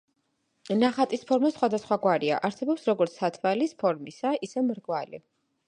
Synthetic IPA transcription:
naχat̪ʼispʰɔɾmasχwad̪asχwaɡwaɾia̰ʔaɾsɛbɔpsɾɔɡɔɾt̪sʰat̪ʰvalispʰɔɾmisaisɛmɾɡwalḭ

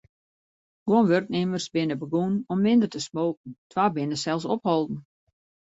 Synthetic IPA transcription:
ɡ̥woənʋørknemərsbɪnəbəɡunɔmːɪndərtəsmoːkn̩tʰwabɪnəsɛlˠsɔphɔlˠdn̩

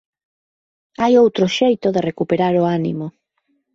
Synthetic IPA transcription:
ajowt̪ɾoʃejt̪oðerekupeɾaɾoanḭmo

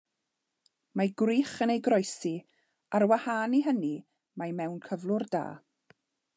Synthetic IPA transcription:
maɡwriːχənejɡrɔjsi | aɾwahaːniɦəni | majmɛwnkʰəvlˠʊrda̰ː

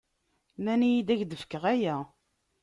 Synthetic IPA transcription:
mænijid̪æʝd̪əfkːəʁæjæ

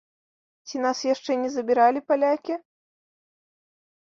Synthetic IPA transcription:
t͡sʲinasjaʂt͡ʂɛnʲɛzɐbʲiɾalʲipalʲakʲi

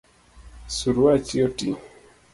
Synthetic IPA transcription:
suɾuat͡ʃiotḭ

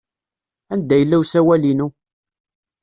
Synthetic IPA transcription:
ænd̪æjəlːæwsæwælinu

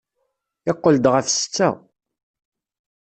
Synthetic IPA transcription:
ɪqːəld̪ʁəfsə̥t͡sːæ̰

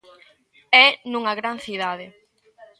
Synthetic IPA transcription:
ɛnũŋɐɣɾanθiðaðɪ

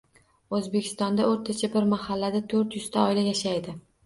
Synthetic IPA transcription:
ɵzbekʲʰɪ̥st̪ɒnd̪aoɾt̪ʰat͡ʃʰabɪɾmahalːad̪at̪ʰɵɾt̪jʊz̥t̪ʰaɒɪlajaʃajd̪ɪ

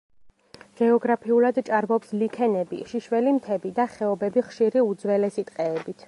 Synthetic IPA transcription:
ɡ̥ɛɔɡɾapʰiulˠad̪t͡ʃʼaɾmɔpslikʰɛnɛbḭʃiʃwɛlimt̪ʰɛbid̪aχɛɔbɛbiχʃiɾiud̪zwɛlɛsit̪ʼqʼɛːbit̪ʰ

